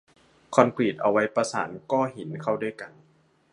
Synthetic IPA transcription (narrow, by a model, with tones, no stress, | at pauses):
kʰɔ˧nkʰwiː˧˨˩t̪̚ʔa˧˩wa˦˥jpa˧saː˩˦nkɔː˥˩ɦi˨˦nkʰa˥˩wdu˥˩˨jka˧n